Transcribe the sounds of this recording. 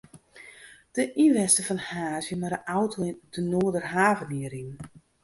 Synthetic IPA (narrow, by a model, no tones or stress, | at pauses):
d̥əʔiʋɛstəfɔnhaːzjəmaɾəʔawtʰodənoːədərɦaːvəniəɾin